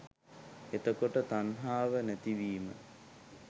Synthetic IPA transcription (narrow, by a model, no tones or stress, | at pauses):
et̪əkoʈət̪anɦaːʋənæt̪iʋiːmə̰